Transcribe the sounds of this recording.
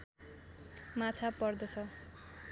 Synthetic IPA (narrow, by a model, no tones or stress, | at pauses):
mat͡sʰapʌrd̪ʌt͡sʰʌ